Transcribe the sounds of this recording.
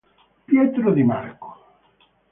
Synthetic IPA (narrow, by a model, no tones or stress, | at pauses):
pjɛt̪ɾod̪ima̰rko̥